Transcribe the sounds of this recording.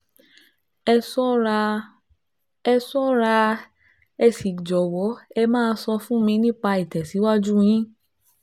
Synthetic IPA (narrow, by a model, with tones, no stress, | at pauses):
sɔ˦ | ɛ˧sɔ˦ɾa˧ | ɛ˧si˨d͡ʒɔ˨wɔ˨˦ɛ˧mãː˦˧˦sɔ˧fũ˦mĩ˧nĩ˦k͡pa˧i˨tɛ˨si˨˦wa˦d͡ʒu˦j̃ĩ˦